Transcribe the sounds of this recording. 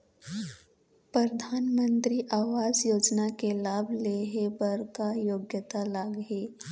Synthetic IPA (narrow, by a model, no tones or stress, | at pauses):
pɾəd̪ʱaːnmə̃nt̪ɾiʔaːʋaːd͡ʒjoːd͡ʒnakelaːbʱleːɦebəɾkajoːɡjət̪alaːɡɦeː